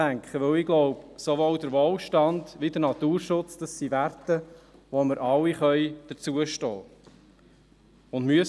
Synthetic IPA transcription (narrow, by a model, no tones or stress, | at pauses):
æŋkχəʋɵwɪɡlɔʊpsoʋowd̪əɾʋoːlʃtɑnd̪ʋid̪əɾnɑt̪uːɾʃʊt͡sd̥ɑsːiʋært̪əʋoməɾʔɑwiχœʏd̥əɾt͡suəʃtɔ̰ː | ʊndmyəs